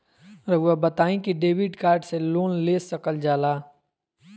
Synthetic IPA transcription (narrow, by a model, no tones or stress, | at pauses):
ɾɐɡabɐt̪aːĩkiɖeːʋɪɖkaːɾɖseloːnleːsɐkəld͡ʒaːlaː